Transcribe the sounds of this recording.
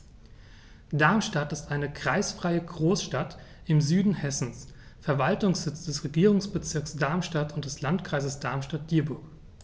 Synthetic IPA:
d̥aɐmʃtatɪstʔaɪnəkʁ̥aɪsfʁ̥aɪəɡʁoːsʃtat | ɪmzyːdn̩hɛsn̩sfɛɐvaltʊŋsz̥ɪt͡sd̥ɛsʁeɡiːʁ̞ʊŋsb̥ət͡sɪɐksd̥aɐmʃtatʊnt̚d̥ɛslantkʁ̥aɪzəsd̥aɐmʃtat̚d̥iːɐbʊɐk

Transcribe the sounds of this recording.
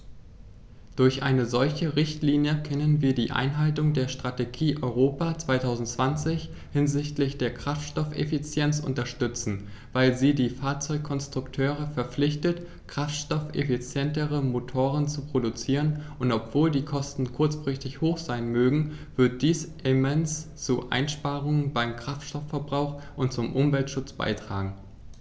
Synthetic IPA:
d̥ʊɐçʔa̰ɪnəzɔlçəʁɪçtliːnjəkʰɛnənviːɐdiːʔa̰ɪnɦaltʊŋdeːɐʃtʁ̥ateɡiːʔɔʏʁoːpat͡sv̥aɪtʰaʊzn̩tt͡sv̥ant͡sɪç | hɪnzɪçtlɪçd̥eːɐkʁ̥aftʃtɔfḛfit͡sjɛnt͡sʔʊ̰ntɐʃtʏt͡sn̩ | vaɪlziːdiːfaːɐt͡sɔʏkʰːɔnstʁ̥ʊktʰøːʁ̞əfɛɐp͡flɪçtət | kʁ̥aftʃtɔfḛfit͡sjɛntəʁəmotʰoːʁənt͡supʁ̥odut͡siːʁ̞ənʔʊntɔpv̥oːldiːkʰɔstn̩kʰʊɐt͡sfʁ̥ɪçtɪçhoːxz̥aɪnmøːɡŋ̩vɪɐt̚d̥iːsʔɪmɛnst͡suʔa̰ɪnʃpaːʁʊŋənbaɪmkʁ̥aftʃtɔfɛɐbʁaʊxʔʊntt͡sʊmʔʊmvɛltʃʊt͡sb̥a̰ɪtʁ̥a̰ːɡŋ̩

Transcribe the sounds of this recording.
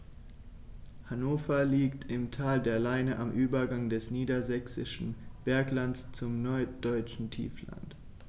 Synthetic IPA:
hanoːfɐliːktʰɪmtʰaːldeːɐlaɪnəʔamʔyːbɐɡaŋdɛsniːdɐzɛksɪ̰ʃn̩b̥ɛɐklant͡st͡sʊmnɔɐd̥ɔʏt͡ʃn̩tʰḭːfla̰nt

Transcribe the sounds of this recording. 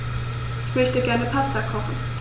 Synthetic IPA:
ʔɪçmœçtəɡɛɐnəpʰastakʰɔχn̩

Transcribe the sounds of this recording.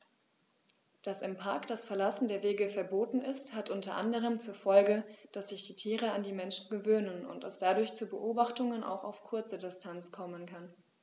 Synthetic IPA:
d̥asɪmpʰaɐkd̥asfɛɐlasn̩deːɐveːɡəfɛɐboːtn̩ɪsthatʔʊntɐʔandəʁ̞əmt͡suːɐfɔlɡəd̥asz̥ɪçd̥iːtʰiːʁəandiːmɛnʃn̩ɡəvøːnənʊ̰ntd̥ɛsd̥adʊɐçt͡suːbəʔoːbaχtʊŋənʔa̰ʊxa̰ʊfkʰʊɐt͡sədɪstʰant͡skʰɔmənkʰan

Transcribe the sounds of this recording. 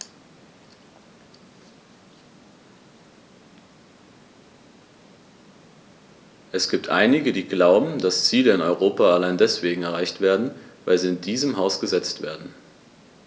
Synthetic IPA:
ʔɛsɡ̥iːp̚tʰʔa̰ɪnɪɡədiːɡlaʊbm̩dast͡siːləɪnɔʏʁ̞oːpaalaɪndɛsv̥eːɡŋ̩ɛɐʁ̞aɪçtv̥eːɐdn̩vaɪlziːɪndiːzəmɦaʊsɡ̥əzɛt͡stv̥ḛːɐdn̩

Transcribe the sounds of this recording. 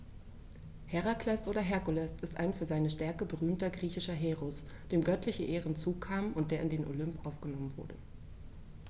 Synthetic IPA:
hɛʁakʰlɛsʔoːɾɐɦɛɐkulɛsɪstʔa̰ɪnfyːɐzaɪnəʃtɛɐkəbəʁyːmtɐɡʁiːçɪʃɐɦeːʁʊs | d̥eːmɡœtʰlɪçəʔeːʁənt͡suːkʰaːmʊnt̚d̥eːɐɪndeːnʔo̰lʏmpʔaʊfɡ̥ənɔmənvʊ̰ɐdə̰

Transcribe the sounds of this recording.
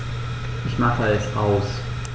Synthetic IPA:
ʔɪçmaχəɛsa̰ʊs

